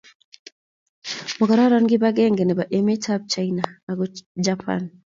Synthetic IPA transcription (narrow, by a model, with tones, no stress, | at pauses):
mɔ˨ɡa˨ɾa˦ɾɔnɡɪ˦baɡɛ˦ŋɡɛ˨nɛ˨ba˨ʔeme˦tʰab̚t͡ʃaina˨a˨ɡɔd͡ʒapʰa̰n